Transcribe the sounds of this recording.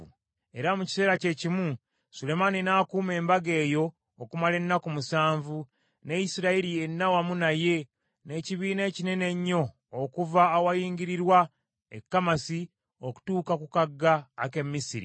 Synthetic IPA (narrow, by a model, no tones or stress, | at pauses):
e̞ɾamuci̥se̞ːɾace̞cimu | sule̞maninaːkuːme̞ːmbaɡe̞ːjo̞ː | kumale̞nːakumusaːɱvu | nejisiɾaiɾie̞nːawamunaje̞ | ne̞ːciβiːne̞ːcine̞ne̞ɲːo̞ː | kuvaːwajiːŋɡiɾiɾwa | ḛkːamasi | o̞ku̥tuːkakukaɡːaːke̞mːisiɾḭ